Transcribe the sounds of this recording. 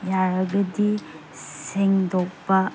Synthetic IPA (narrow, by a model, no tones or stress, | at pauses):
jaɾɐɡɐdi | sseŋdɔkpːɐ